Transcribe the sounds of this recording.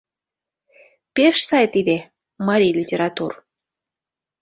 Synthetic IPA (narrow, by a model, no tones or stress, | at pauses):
peʃsɑjt̪id̪e | mɑɾʲijlʲitʲeɾɑt̪ur